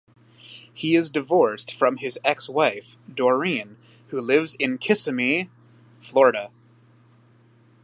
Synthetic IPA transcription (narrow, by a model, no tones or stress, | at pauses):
hiɪzdɨvɔɹstfɹʌ̃mɪzɛkswaɪfd̥ɔ˞ĩn | hulɪvzɪ̃nkʰɪsɨmi | flɔɹɨɾɨ